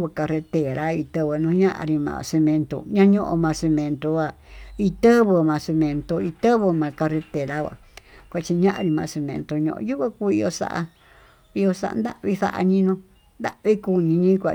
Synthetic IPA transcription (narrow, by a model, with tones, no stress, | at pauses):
βɨ˧ka˧re˧t̪e˨ɾa˦i˧t̪ɨ˧βɨ˧nũ˧ɲã˦ʔa̰˧ɾi˧mã̰˧˨se˧mẽ˧nt̪o̰˧ɲã˦ɲõ˦ʔõ̰˧mã˧se˧mẽ˧nt̪o˧wʷa˧ | i˧t̪ə˦βɨ˧mã˧se˧mẽ˧nt̪o˧i˧t̪ə˦βɨ˧mã˨˧ka˧re˧t̪e˨ɾa˦wʷa̰˨ | kʷa˧t͡ʃi˧ɲã˦ʔã˧ɾi˧mã˧se˧mḛ̃˧nt̪o˧ɲõ̰˧ʔju˦βa˦ku˦i˧jo˧sa̰˦ʔa̰˧ | i˧jo˧sa̰˧ʔa̰˧nd̪a̰˦ʔβi˦θa̰˦ʔa̰˧ɲĩ˦nõ˧ | nd̪a˦ʔβi˦ku˧ɲĩ˧ɲĩ˦kʷa̰˧˨